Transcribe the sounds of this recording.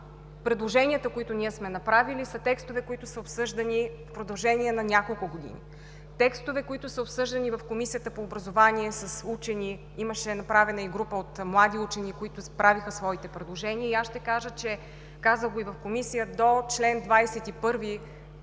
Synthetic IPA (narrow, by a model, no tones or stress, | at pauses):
pɾɛd̪lˠoʒɛnʲiət̪əkoit̪ʊnʲiɛsmɛnɐpɾavilisət̪ɛkst̪ovɛkoit̪ʊsəopsɤʒd̪ɐnifpɾod̪ɐlˠʒɛniɛnɐnʲakolˠkʊɡod̪ḭnḭ | t̪ɛkst̪ovɛkoit̪ʊsəopsɤʒd̪ɐnivɐfkomisijət̪əpoːbɾɐzovaniɛsɐsut͡ʃɛni | iməʃɛnɐpɾavɛnəiɡɾupəot̪mlˠad̪iut͡ʃɛnikoit̪ʊspɾavixəsvɔit̪ɛpɾɛd̪lˠoʒɛniəiasʃt̪ɛkaʒət͡ʃɛ | kazəɡoivɐfkomisijəd̪ot͡ʃlɛnd̪vajsɛt̪ipɤɾvi